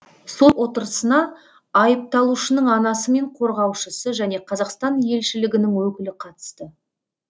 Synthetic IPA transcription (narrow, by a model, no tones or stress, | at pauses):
so̞lˠwo̞t̪əɾəsənɑː | jəp̚t̪ɑlˠuʃənəɴɑnɑsəme̞ɴqʰo̞ɾʁɑwʃəsəʒæne̞qʰɑzɑqst̪ɑnje̞lʃɪlɪɡʲɪnɪŋwɵkʲɪlɪqʰɑt̪ə̥st̪ə